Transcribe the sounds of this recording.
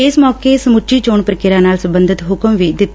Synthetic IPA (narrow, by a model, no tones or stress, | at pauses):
ɪsmɔːkeːsəmʊt͡ʃiːt͡ʃoːɳpɾəkɪɾãːnaːlsəmbə̃nd̪ʱɪt̪ɦʊkəmʋiːd̪ɪt̪ː